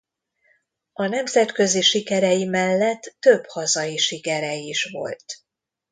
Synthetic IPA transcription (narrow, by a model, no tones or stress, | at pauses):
ɒnɛmzɛt̪kø̞ziʃikɛɾɛjimɛlːɛt̪ːø̞phɒzɒjiʃikɛɾɛjiʃvo̞̰lt̪